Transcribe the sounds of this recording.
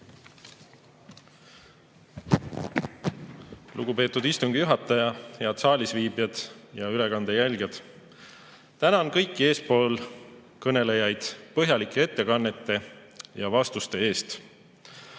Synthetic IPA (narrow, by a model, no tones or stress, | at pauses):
luɡupe̞ːt̪ːˑud̪ist̪uŋɡ̥ijuɦɑt̪ːˑɑjɑheɑd̪sɑːlʲisviːbjɑd̪̥jɑyle̞kɑnd̪̥ejælʲɡjɑd̪̥ | t̪ænɑonkɤjkˑːie̞ːspo̞ːl | kɤne̞le̞jɑjd̪̥pɤɦjɑlikːˑee̞t̪ːe̞kɑnːe̞t̪ːe̞ | jɑvɑst̪ust̪e̞e̞ːst̪